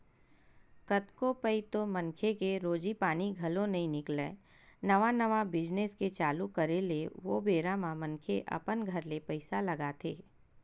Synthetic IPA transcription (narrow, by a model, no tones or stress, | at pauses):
kɐt̪kopəit̪omɐ̃nkʰekeɾoːd͡ʒipaːniɡʱɐlõnɐɦĩnɪklḛː | nɐʋanɐʋabɪd͡ʒnesket͡ʃaːlukɐɾeleʋobeːɾamãmɐ̃nkʰeʔɐ̰pənɡʱɐɾlepɐɪsalɐɡat̪ʰeː